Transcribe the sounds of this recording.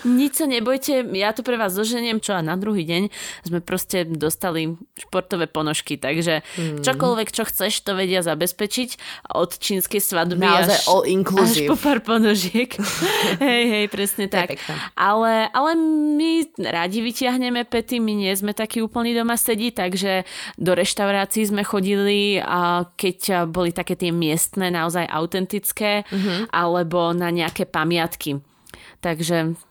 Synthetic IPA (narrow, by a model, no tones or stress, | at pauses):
ɲit͡ʃsaɲɛbɔjcɛjat̪ɔpɾɛʋaːzd̪ɔʒɛɲɛmt͡ʃɔanad̪ɾuɦiːɟɛɲzmɛpɾɔscɛd̪ɔst̪aliʃpɔɾt̪ɔʋɛːpɔnɔʃkit̪aɡʒɛt͡ʃɔkɔlʋɛkt͡ʃɔxt͡sɛʃt̪ɔʋɛɟɪazabɛspɛt͡ʃicʔɔ̰t̪t͡ʃiːnskɛjsʋad̪biaʃʔɔiŋkluaipɔpaːɾpɔnɔʒɪɛkɦɛjɦɛjpɾɛsɲɛt̪akʔalɛʔalɛmiɾaɟiʋicɪaɦɲɛmɛpɛt̪imiɲɪɛzmɛt̪akiːuːpl̩ɲid̪ɔmasɛɟit̪aɡʒɛd̪ɔɾɛʃt̪aʊɾaːt͡siːzmɛxɔɟili | kɛcbɔlit̪akɛːt̪ɪɛmɪɛst̪nɛːnaɔzajʔa̰ʊt̪ɛnt̪it͡skɛːʔalɛbɔnaɲɛakɛːpamɪat̪ki | t̪aɡʒɛ